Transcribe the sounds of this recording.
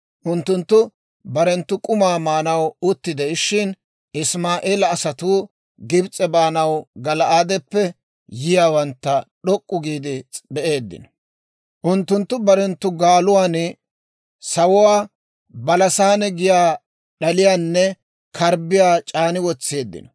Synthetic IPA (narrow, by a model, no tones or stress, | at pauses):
ʔʊnt̪ːʊnt̪ːʊ | bɐɾɛnt̪ːʊkʼʊmaːmaːnɐwʊt̪ːɪd̪ɛʃːɪn | ʔɪsmaːʔeːlɐːsɐt̪uː | ɡɪbt͡sʼɛbaːnɐwɡɐlɐʔaːd̪ɛpːɛ | jɪjaːwɐnt̪ːɐɗɔkʼːʊɡiːd̪ɪbɛʔe̞ːd̪ːɪ̰nɔ | ʔʊnt̪ːʊnt̪ːʊbɐɾɛnt̪ːʊɡaːlʊwaːnɪ | sɐwʊwaː | bɐlɐsaːnɛɡɪjaː | ɗɐlɪjaːnːɛ | kʰɐɾbɪjaːt͡ʃʼaːnɪwɔt͡sːe̞ːd̪ːɪ̰nɔ